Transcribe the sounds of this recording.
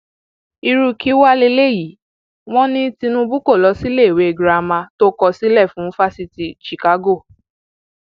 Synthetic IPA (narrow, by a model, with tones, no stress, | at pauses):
i˧ɾu˧ki˦wa˦le˧˦le˦˨ji˨˦ | w̃ɔ̃˦nĩ˦ti˧nũ˧bu˦ko˦˨lɔ˨˧˦si˦le˦˨we˨˦e˧˨ɡɾa˨˧mã˧to˦kɔ˧˨si˦lɛ˦˨fũ˨˦fa˦si˧ti˨ʃi˨ka˨˦ɡo˦˨